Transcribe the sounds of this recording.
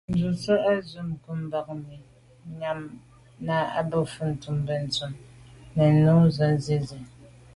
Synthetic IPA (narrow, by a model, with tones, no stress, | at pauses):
n̩˨zu˨sɛ˦ʔa˦zu˦mku˦m̩˦ba˦k̚mi˨ | ɲa˦m | na˦a̰˦bə˦fu˦n̩˨tu˨mbɛ˨n̩˨tu˦mnɛ˨nu˦zɔ˨n˦zi˦zi˨